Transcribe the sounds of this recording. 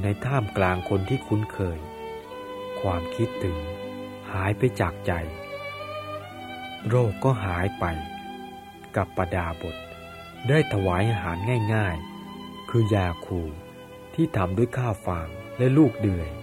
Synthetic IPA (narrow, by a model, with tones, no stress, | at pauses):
na˧jt̪ʰaː˥˩mklaː˧ŋkʰo˧nt̪ʰiː˥˩kʰu˨˦˥nkʰɤː˧j | kʰwaː˧mkʰi˦˥t̪ʰːɯ˨˩˦ŋ | haː˩˦jpa˧jt͡ɕaː˨˩k̚t͡ɕa˧j | ɾoː˥˩kːɔː˥˩ɦaː˩˦jpa˧j | ka˨˩pːa˧daː˧bo˨˩t̪̚ | daː˥˩jt̪ʰa˧waː˩˦jʔaː˧ɦaː˩˦nŋaː˥˩jŋaː˥˩j | kʰɯː˧jaː˧kʰuː˨˩ | t̪ʰiː˥˩t̪ʰa˨˧˦mdu˥˩jkʰaː˥˩wfaː˧ŋlɛ˦˥luː˥˩k̚dɯ˨˩əj